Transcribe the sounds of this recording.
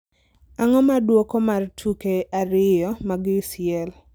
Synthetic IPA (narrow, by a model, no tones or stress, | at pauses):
aŋɔmadwokɔmartʰukeaɾɪjɔmaɡɪsɪɛl